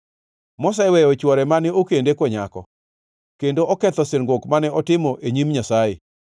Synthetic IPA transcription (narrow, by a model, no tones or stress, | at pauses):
mɔsaɛwɛjɔt͡ʃwɔɾɛmanɛokendekwɔɲakɔ̰ | kendoʔɔkɛt̪ɔsɪrŋɡwokmanɛɔtɪmɔʔeɲimɲasaje